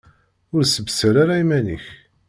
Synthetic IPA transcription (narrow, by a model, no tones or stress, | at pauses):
ʊɾsəbsəɾaɾaimæniç